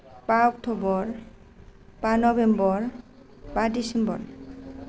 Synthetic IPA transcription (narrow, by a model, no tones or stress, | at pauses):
paok̚t̪ʰobɔɾ | panɔbembɔɾ | padisembɔ̰ɾ